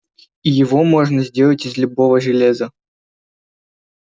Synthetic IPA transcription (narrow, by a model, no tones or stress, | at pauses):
ijɪvo̞moʐnəzʲdʲe̞lˠətʲɪzlʲʊbovəʐɨlʲezə